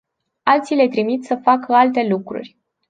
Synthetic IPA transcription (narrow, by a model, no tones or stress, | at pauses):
alt̪sile̞t̪ɾimit̪səfakəalt̪e̞lukɾṵrʲ